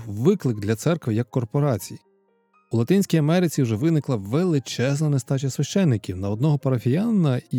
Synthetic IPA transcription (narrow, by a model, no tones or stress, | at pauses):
ʋɪklˠɪɡd̪lʲɐt̪sɛrkʋɪjɐkːɔrpɔɾɑt͡sʲiji | ʊlˠɐt̪ɪnʲsʲkʲijɐmɛɾɪt͡sʲiwʒɛʋɪnɪklˠɐʋelˠɪt͡ʃɛznɐnest̪ɑt͡ʃʲɐsʋʲɐʃt͡ʃɛnːɪkʲiwnɐɔd̪nɔɦɔpɐɾɐfʲijɑnɐ